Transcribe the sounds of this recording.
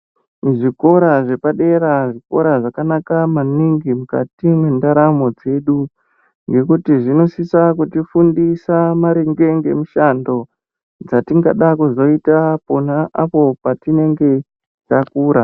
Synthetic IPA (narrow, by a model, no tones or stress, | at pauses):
ʐiko̞ɾaʐe̞paɗe̞ɾaʐiko̞ɾaʐakanakamaniŋɡimuka̰timwendaɾamo̞d͡ze̞ɗu | ŋɡe̞kutiʐino̞sisakutifundisamaɾeŋɡe̞ŋɡe̞muʃando̞ | d͡zatiŋɡaɗakuzo̞itaponaʔapo̞patine̞ŋɡe̞ | takuːɾa